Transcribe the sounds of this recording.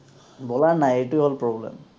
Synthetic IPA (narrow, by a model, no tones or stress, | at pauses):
bɔlaɹnajetʊeɦolpɹɔblɛ̰m